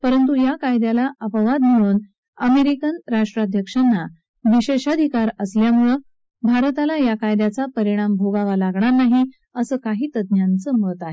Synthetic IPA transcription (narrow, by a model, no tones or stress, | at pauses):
pəɾənt̪̬ujakajd̪jalaʔəpəʋad̪məɭuːn | əmeɾikənɾaʂʈɾad̪ʱjəkʂanːa | ʋiɕeɕad̪ʱikaɾəsljamuɭə | bʱaɾt̪alajakajd̪jat͡sapəɾiɽ̃ambʱoɡaʋalaɡɳaɾnaɦi | əsəːkaɦiːt̪əd̪njant͡səmət̪aɦe